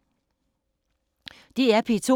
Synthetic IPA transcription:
d̥iæɐpʰit͡sʰo

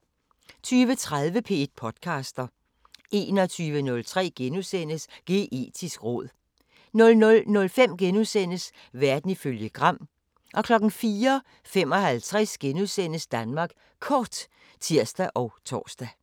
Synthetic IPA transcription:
t͡sʰyːʋət͡sʰʁað̞ˠʋəpʰe̝̰ːd̥̚pʰɒ̽d̥kʰɑ̈ːsd̥ɐ | ʔe̝̰ːnɒ̽t͡sʰyːʋənɔ̽lt͡sʰʁɛ̰ːɡ̥enusen̰əsɡ̥e̝̰ːʔe̝̰ːd̥ʰisɡ̥ʁɔ̽ð̞̰ˠ | nɔ̽lnɔlnɔ̽lfem̰ɡ̥enuðˠsen̰əs | ʋæɐd̥n̩iføljəɡ̥ʁɑ̈m̰ | ʔɒ̽kʰlɒ̽ɡ̥n̩fiːɐ | fem̰ɒ̽hælt͡sʰʁɛsɡ̥enuðˠsen̰əsd̥ænmɑ̈ːɡ̥ | kʰɒːd̥ | t͡sʰiɐ̰sd̥æʔɒʊt͡sʰɒ̰ːsd̥æ

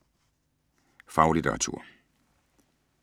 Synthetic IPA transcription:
fɑ̈ʊlid̥ʰeʁɑ̈t͡sʰṵɐ̰

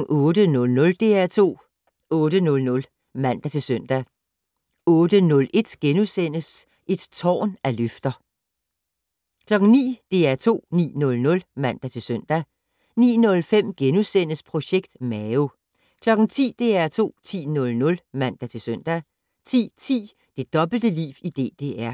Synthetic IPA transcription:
ɔ̽ːd̥ənɔ̽lnɔ̽ld̥e̝æɐt͡sʰo̝̰ː | ɔ̽ːɾ̥ənɔ̽lnɔ̽l | mæn̰d̥æt͡sʰe̝lsœn̰d̥æ | ɔ̽ːd̥ənɔ̽lʔe̝d̥ɡ̥enusen̰əs | ʔe̝d̥t͡sʰɒ̰ːnæløfd̥ɐ | kʰlɒ̽ɡ̥ŋ̩nḭːd̥e̝æɐt͡sʰo̝̰ːnḭːnɔ̽lnɔ̽lmæn̰d̥æt͡sʰe̝lsøn̰d̥æ | nḭːnɔ̽lfem̰ɡ̥enusen̰əspʰʁo̝ɕeɡ̥d̥mɛo | kʰlɒ̽ɡ̥ŋ̩t͡sʰḭːd̥e̝ːæɐt͡sʰo̝̰ːt͡sʰḭːnɔ̽lnɔ̽lmæn̰d̥æt͡sʰe̝lsøn̰d̥æ | t͡sʰḭːt͡sʰḭː | d̥e̝d̥ɒ̽b̥l̩d̥əlḭːʋid̥e̝̰ːd̥e̝æɐ̰

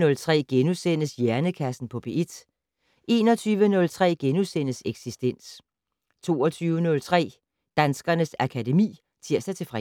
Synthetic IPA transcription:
nɔ̽lt͡sʰʁɛ̰ːɡ̥enusen̰əsjæɐnəkʰæsn̩pʰɒ̽b̥e̝ʔed̥ | ʔe̝̰ːnɒ̽t͡sʰyːʋənɔ̽lt͡sʰʁɛ̰ːɡ̥enusen̰əseɡ̥sisd̥en̰s | t͡sʰo̝̰ːɒt͡sʰyːʊənɔ̽lt͡sʰʁɛ̰ː | d̥ænsɡ̥ɐnəsækʰæde̝mḭː | t͡sʰiɐ̰sdæt͡sʰe̝fʁɛ

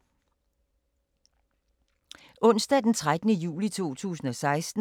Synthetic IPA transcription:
ʔɔ̽n̰sd̥æd̥ent͡sʰʁad̥ənəjṵːlit͡sʰo̝̰ːt͡sʰṵːsn̩ɒ̽sɑ̈ɪsd̥n̩

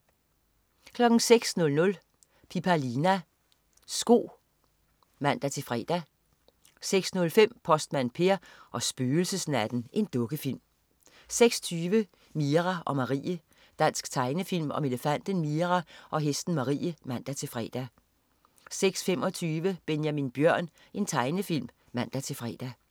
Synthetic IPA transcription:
kʰlɒ̽ɡ̥ŋ̩seɡ̥snɔ̽lnɔ̽l | pʰipʰælinæ | sɡ̥o̝̰ː | mæn̰d̥æt͡sʰe̝fʁɛ̰d̥æ | seɡ̥snɔ̽lfem̰pʰɒ̽sd̥mænpʰe̝ɐ̰ʔɒ̽sb̥øːl̩səsnæd̥n̩ʔe̝nd̥ɔ̽ɡ̥əfil̰m | seɡ̥sɒ̥t͡sʰyːʋə | miʁɑʔɒ̽mɑ̈ʁḭːə | d̥æn̰sɡ̥t͡sʰɑ̈ɪnəfil̰mɒ̽me̝ləfæn̰d̥ənmiɐʁɑʔɒ̽ɦesd̥n̩mɑ̈ʁḭːəmæn̰d̥æt͡sʰe̝fʁɛ̰ːd̥æ | seɡ̥sfemɒ̽t͡sʰyːʋəb̥enjæminb̥jɶɐ̰n | ʔe̝nt͡sʰɑ̈ɪnəfil̰m | mæn̰d̥æt͡sʰe̝fʁɛ̰d̥æ

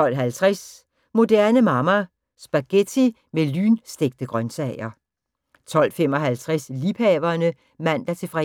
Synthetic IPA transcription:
ɒ̽l̰ɦælt͡sʰʁas | mo̝d̥æɐnəmɑ̈mɐ | sb̥ɑ̈ɡ̥et͡sʰi | mely̰ːnsd̥eɡ̥̚d̥əɡ̥ʁɶnsɛɪ̰ɐ | t͡sʰɒ̽l̰fem̰ɒ̽ɦælt͡sʰʁasliphɛːʋɐːnə | mæn̰d̥æɐt͡sʰe̝fʁɛ

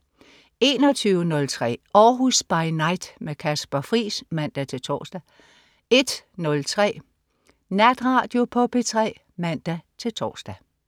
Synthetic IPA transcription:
e̝ːnɒ̽t͡sʰyːʊənɔ̽lt͡sʰʁɛ̰ːɒːɦusb̥ɑ̈ɪnɑ̈ɪd̥mekʰæsb̥ɐfʁḭːsmæn̰d̥æt͡sʰe̝lt͡sʰɒ̰ːsd̥æ | e̝d̥nɔ̽lt͡sʰʁɛ̰ː | næd̥ʁɑ̈ːd̥jo̝pʰɒ̽pʰe̝t͡sʰʁɛ̰ː | mæn̰d̥æt͡sʰe̝lt͡sʰɒ̰ːsd̥æ

